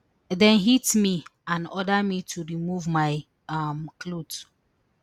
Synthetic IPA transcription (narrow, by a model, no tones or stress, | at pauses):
dɛ̃nɦitmiãnɔdamitʰuɹimuvmaɪ | amklot